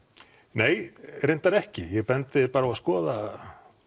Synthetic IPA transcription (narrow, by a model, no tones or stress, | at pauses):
neːjrejnt̪aɾɛhcɪjɛpɛnt̪ɪpaːɾauaskɔːða